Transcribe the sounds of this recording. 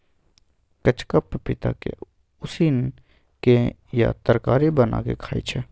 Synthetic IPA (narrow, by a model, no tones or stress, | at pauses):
kət͡ʃkəppɪt̪a̰kḛ | ʊsin | ke | ja̰t̪əɾkaːɾibəna̰kḛkʰaːḭt͡ʃʰɛː